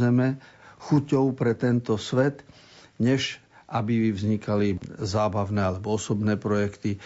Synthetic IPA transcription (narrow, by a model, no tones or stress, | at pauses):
ɛmɛxucɔʊpɾɛt̪ɛnt̪ɔsʋɛt̪ | ɲɛʃʔabivzɲikalizaːbaʊnɛːalɛbɔɔsɔbnɛːpɾɔjɛkt̪i